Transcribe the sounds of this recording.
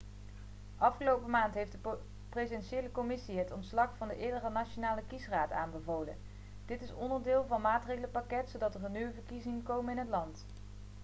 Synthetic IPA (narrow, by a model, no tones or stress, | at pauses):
ɑfχəlowpəmaːntɦejfdə | prezɛnʃejləkomɪsiɦətɔntslɑχfɑndəʔɪːɹdərənat͡ʃonaːləkisraːta̰ːnbəvowlə̰n | d̥ɪtɪsɔndəɹdɪːlˠvɑnmaːtrejχələkpakɛtsowdɑtərənːywəvəɹkizɪŋkowmənɪnɦətlɑnt